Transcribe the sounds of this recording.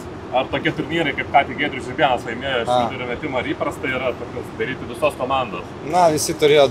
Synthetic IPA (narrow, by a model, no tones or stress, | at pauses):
ɐrt̪oːkʲɪɛt̪ʊɾʲnʲiːɾɐɪkɐɪpkɑːt̪ʲiːɡʲeːd̪ʲɾʲʊsʲɪbʲiɛnɐslˠɐɪmʲiɛjoːɐʃʲid̪ʲʊɾʲʊmʲɛt̪ʲɪmoɐɾiːpɾɐst̪ɐɪɪɾɐɐɾt̪oːkʲoːsd̪ɐɾʲiːt̪ʲɪʋʲɪsoːskoːmɑnd̪o̰ːs | nɐʋʲɪsʲɪt̪ʊɾʲeːjoː